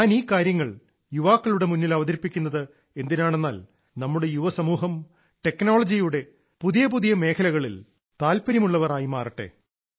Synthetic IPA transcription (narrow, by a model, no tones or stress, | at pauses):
ɲaːniːkaːɾjɐŋːɐɭ | juʋaːkːɐɭuɽe̞munːilɐʋɐðɐɾipːikʲːunːɐðɨ | e̞nd̪inaːɳe̞nːaːl | nɐmːuɽe̞juʋɐsɐmuːɦɐm | ʈe̞kːno̞ːɭɐd͡ʑijuɽe̞ | puðijɐpuðijɐme̞ːkʰɐlɐɣɐɭḭl | t̪aːlpɐɾiɐmuɭːɐʋɐraːjimaːriʈːe̞̰